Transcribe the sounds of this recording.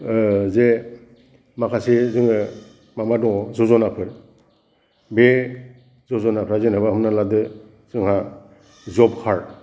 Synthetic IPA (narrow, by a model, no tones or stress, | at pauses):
ze | makʰasizɯŋɯ | mamadɔzɔzɔnapʰɯɾ | be | zɔzɔnapʰɾazenabaɦɯmnaladɯ | zɯŋɦa | zɔb̚kʰaɹ